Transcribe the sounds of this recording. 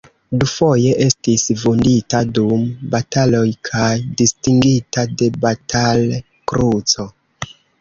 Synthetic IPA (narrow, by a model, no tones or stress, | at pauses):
dufo̞je̞ʔe̞stisvunditadumbatalo̞jkʰajdistiŋɡitade̞batʰal | kɾut͡so̞